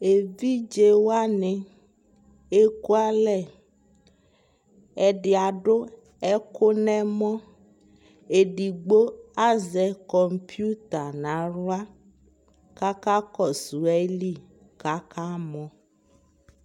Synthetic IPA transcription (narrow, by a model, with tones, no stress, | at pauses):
e˨vi˦d͡ʒe˦wa˦nɛ̃˨ | e˦ku˦a˦lɛ˨ | ɛ˨ɖe˨a˨ɖo˦ | ɛ˦ko˦nɛ̃˦mɔ̃˦ | e˨ɖi˨ɡ͡bo˦a˦zɛ˨kɔ˨m˦pi˦u˦t̪a˨nã˨˦ɾu˦a˦ | ka˦ka˦kɔ˨su˨ɛ˦li˦˨ | ka˦ka˦mɔ̃˨˦